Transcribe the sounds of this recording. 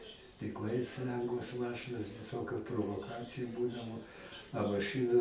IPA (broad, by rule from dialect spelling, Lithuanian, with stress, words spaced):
sʲtʲɪkˈlˠɐɪs ˈlʲɛŋɡʋoːs ˈmɑːʃɨnoːs ʋʲɪˈsoːkʲʊ proːʋoːˈkɑːt͡sʲɪjʊ ˈbuːdɐʋoː ɐ mɐˈʃɨnʊ